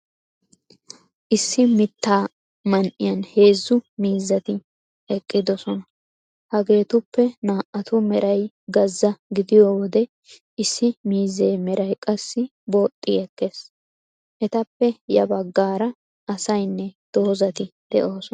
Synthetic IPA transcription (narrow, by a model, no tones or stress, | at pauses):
ʔɪsːɪmɪt̪ːaː | mɐnʔɪjɐnhe̞ːzːʊmiːzːɐt̪ɪ | ɛkʼːɪd̪ɔsɔnɐ | hɐɡe̞ːt̪ʊpːɛnaːʔɐt̪ʊmɛɾʔɐj | ɡɐzːɐɡɪd̪ɪjowɔd̪ɛ | ʔɪsːɪmiːze̞ːmɛɾɐjkʼɐsːɪ | bo̞ːt̪ʼːɪɛkːe̞ːs | ʔɛt̪ɐpːɛjɐbɐɡːaːɾɐ | ɐsɐjnːɛd̪̥o̞ːzɐt̪ɪd̪̥ɛ̰ʔo̞ːsɔ